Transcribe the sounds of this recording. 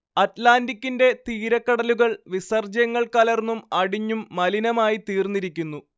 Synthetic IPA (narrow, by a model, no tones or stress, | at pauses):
ɐtlaːndikʲːinde̞t̪iːɾɐkːɐɽɐluɣɐɭʋisɐrd͡ʑɐjɐŋːɐɭkaːlɐrnːumɐɽiɲːumːɐlinɐmaːjit̪iːrnːiɾikʲːunːu